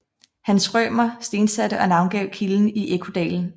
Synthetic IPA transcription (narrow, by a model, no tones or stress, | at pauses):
hænsʁœːmɐsd̥e̝ːnsæd̥əʔɒ̽nɑ̈ʊnɡ̥ɛ̰ʊ̰kʰiln̩iʔekʰo̝d̥ɛ̰ːln̩